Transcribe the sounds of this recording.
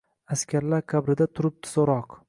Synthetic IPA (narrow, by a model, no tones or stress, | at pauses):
askʲʰaɾlaɾkʲʰabɾɪd̪at̪ʰʊɾɪp̚t̪ʰɪ̥zɒɾɒq